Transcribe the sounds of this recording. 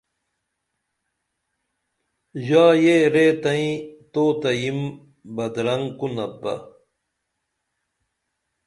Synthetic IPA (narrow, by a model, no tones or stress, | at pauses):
jaːjeɾeːt̪ɐĩt̪oːt̪ɐjim | bɐd̪ɾɐŋkunɐbɐ̰